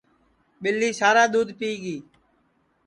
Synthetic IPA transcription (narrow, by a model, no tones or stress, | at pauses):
ɓɪlːiːsaːɾaːɗ̪uːd̪piːɠiː